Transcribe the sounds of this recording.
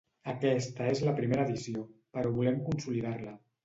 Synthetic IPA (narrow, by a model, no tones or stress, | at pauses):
əkɛst̪əezləpɾimeɾəðisiopəɾɔβulɛmkunsuliðaɾlə